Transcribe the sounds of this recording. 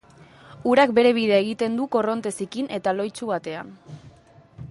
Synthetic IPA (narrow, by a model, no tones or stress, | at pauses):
uɾak̚be̞ɾe̞β̞iðeaeɣ̞it̪e̞nd̪uko̞ro̞nt̪e̞sikinʔe̞t̪alo̞jt͡ʃuβ̞at̪e̞a̰n